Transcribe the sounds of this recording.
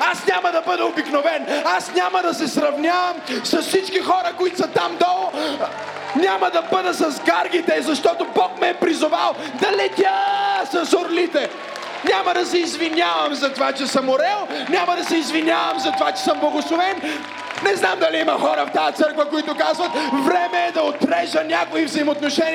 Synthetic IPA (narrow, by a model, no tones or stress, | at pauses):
asnʲaməd̪ɐbəd̪ɛobiknovɛnasnʲaməd̪ɐsɛsɾɐvnʲavɐmsɐsfsit͡ʃkixɔɾəkoit̪sɐt̪amd̪ɔlˠo | nʲamɐd̪ɐbəd̪əsɐzɡaɾɡit̪ɛzɐʃt̪ɔt̪obɔkmɛːpɾizʊvalˠ | d̪ɐlɛt̪ʲasɐsoɾlit̪ɛ | nʲaməd̪ɐsɛizvinʲavɐmzɐt̪ovat͡ʃɛsɐmoɾɛlˠnʲaməd̪ɐsɛizvinʲavɐmzɐt̪ovat͡ʃɛ̥səmblˠɐɡoslˠovɛn | nɛznamd̪ɐliimɐxɔɾəft̪ajɐt̪sɤɾkvəkoit̪ʊkazvɐt̪vɾɛmɛːd̪ɐot̪ɾɛʒənʲakʊivzɐimot̪noʃɛnʲi